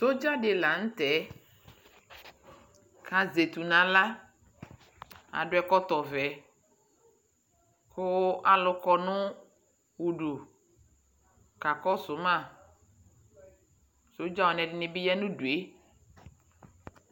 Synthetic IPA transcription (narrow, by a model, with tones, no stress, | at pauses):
so˦d͡ʒa˦ɖɪ˨la˨ŋ̩̃˦t̪ɛ˨˦ | kʰa˨ze˨t̪u˨nã˨la˦ | a̰˨ɖʊ˦ɛ˨kɔ˦t̪ɔ˨vɛ˨ | kʊ˦a˨lʊ˨kɔ˨nʊ̃˦ | wu˨ɖu˨ | ka˨kɔ˦sʊ˨˦mã˦˨ | so˨˦d͡ʒa˦wɔ˨nɛ̃˨ɖɪ˨nɪ̃˨bi˦jɛ˦nũ˦ɖu˨e˦